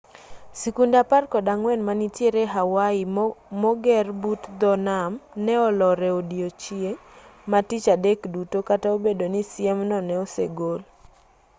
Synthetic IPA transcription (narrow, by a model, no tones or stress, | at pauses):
sikundaparkɔdaŋwɛnmanitjeɾeɦawaɪmɔɡɛrbutd̪ɔnamnɛɔlɔɾɛodiot͡ʃiematit͡ʃadekdutokataobedonisjɛmnɔnɛɔsḛɡol